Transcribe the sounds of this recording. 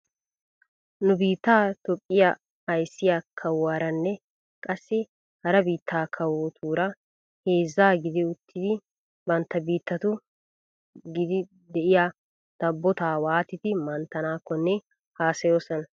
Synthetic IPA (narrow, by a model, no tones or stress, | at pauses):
nʊbiːt̪ːaːt̪ɔpʼːɪja | ɐjsːɪjakʰɐwaːɾɐnːɛ | kʼɐsːɪ | hɐɾɐbiːt̪ːaːkʰɐwoːt̪ʰuːɾɐ | heːzːaːɡɪd̪ɪʊt̪ːɪd̪ɪ | bɐnt̪ːɐbiːt̪ːɐt̪ʊ | ɡɪd̪ɪ | d̪ɛʔɪja | d̪̥ɐbːɔt̪aːwaːt̪ɪt̪ɪmɐnt̪ːɐnaːkːɔnːɛ | haːsɐjo̞ːsɔnɐ